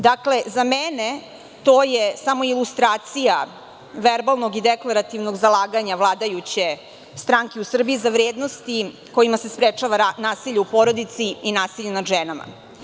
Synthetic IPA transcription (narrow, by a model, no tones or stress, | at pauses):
d̪akle̞zamene̞ | t̪o̞ːjesamo̞ilˠust̪ɾaːt̪sija | ʋeɾbalˠno̞ɡid̪eklˠaɾat̪iʋno̞ɡzalˠaːɡaɲavlˠaːd̪ajut͡ɕe | st̪ɾaŋkeusr̩biizaʋɾeːd̪no̞st̪i | ko̞imasespɾet͡ʃaʋanaːsiʎeupo̞ɾo̞d̪it̪siinaːsiʎenad̪ʒenama̰